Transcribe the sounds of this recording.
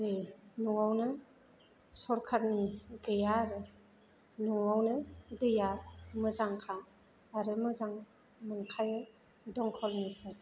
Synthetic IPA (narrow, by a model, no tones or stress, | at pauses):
ɾɯnuawnɯ | sɔɾkʰaɾ̚niɡɯjaɾɯ | nuawnɯdɯjamɯzaŋkʰaː | ɾɯmɯzaŋ | mɯnkʰajɯ | dɔŋkʰɔlnipʰa